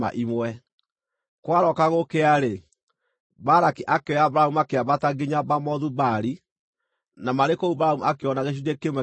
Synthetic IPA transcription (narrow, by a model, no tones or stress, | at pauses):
a̰ʔimwɛ | kwaɾɔkaɣokeaɾe | baɾakiʔakeɔabɾahumuakeaβataɡeɲabamɔðubaɾi | namaɾekoubɾaumuakeɔnaɣeʃ̬idekemwɛ